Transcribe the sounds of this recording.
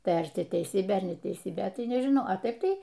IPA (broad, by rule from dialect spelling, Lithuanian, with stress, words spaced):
ˈtɐɪ ɐr ˈtʲɪ tʲɛɪˈsʲiːbʲeː ɐr nʲɛtʲɛɪˈsʲiːbʲeː ˈtɐɪ nʲɛʒʲɪˈnɐʊ ɐ ˈtɐɪp ˈtɐɪ